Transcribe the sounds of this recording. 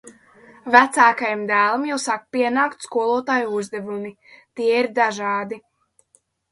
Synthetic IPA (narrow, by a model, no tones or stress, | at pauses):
væt̪saːkajamd̪æːlˠamjawsakpiɛnaːkt̪skuɔlˠuɔt̪aːjuuzd̪ɛvumi | t̪iɛiɾd̪aʒɑːd̪i